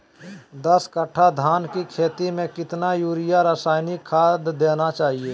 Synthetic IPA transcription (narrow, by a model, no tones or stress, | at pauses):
d̪ɐskəʈʰad̪ʱaːnkikʰeːt̪imẽkɪt̪najuːɾɪjaɾaːsaːjnikʰːaːd̪ːeːnat͡ʃaːɦieː